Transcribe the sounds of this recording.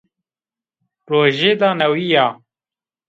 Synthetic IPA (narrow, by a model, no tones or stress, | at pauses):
pɾoːʒeːd̪aːnɐwijaː